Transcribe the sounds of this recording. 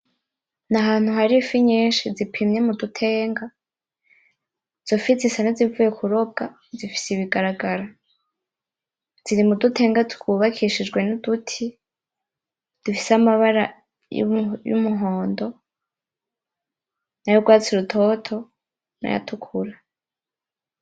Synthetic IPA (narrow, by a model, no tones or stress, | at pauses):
naɦaːn̥huhaɾifiɲeːʃizipʰimɲemudutʰe̞ːŋɡa | z̥ofizisanazivuːje̞kʰuɾo̞b̚ɡa | zifi̥siβiɡaɾaɡaɾa | z̥iɾimudutʰe̞ːŋɡatukuβakʰiʃid͡ʒɡwe̞nudutʰi | d̥ufi̥samaβaɾa | j̰jṵmuɦo̞ːndo̞ | najoɡwaːt͡siɾutʰo̞ːtʰo̞ | na̰ja̰tʰukʰuɾa